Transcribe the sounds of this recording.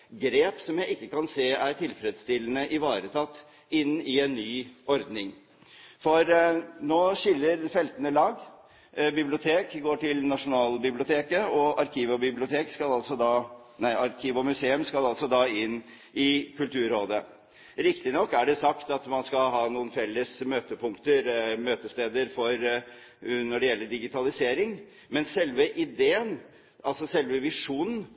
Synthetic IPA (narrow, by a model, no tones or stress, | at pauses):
ɡɾeːpsɔmjæɪɪkːəkɑnseːæɾʈʰɪlfɾɛd̪st̪ɪlːənəʔɪʋɑːɾət̪ʰɑt̪ː | ɪnːɪɛnːyːʔɔɾd̪nɪŋ | fɔɾnoːɕɪlːəɾfɛlt̪ənəlɑːɡ | bɪblɪʊt̪ʰeːkɡoːʈɪlnɑʂʊnɑːlbɪblɪʊt̪ʰeːkəɔɑɾkʰiːʋɔbɪblɪʊt̪ʰeːkskɑlɑlsɔd̪ɑ | næɪʔɑɾkʰiːʋɔmʉseːʉmskɑlɑlsɔd̪ɑːɪnː | ɪkʰʉlt̪ʉːɾoːd̪ə | ɾɪkt̪ɪnɔkːæɖɛsɑkt̪ɑt̪mɑnskɑlɦɑːnuːənfɛlːəsmøːt̪əpʰʊŋkt̪əɾmøːt̪əst̪eːd̪əɾfɔɾ | nɔɖɛjɛlːəɖɪɡɪt̪ʰɑlɪseːɾɪŋ | mɛnsɛlʋəʔɪd̪eːən | ʔɑlsɔsɛlʋəʋɪʂuːnn̩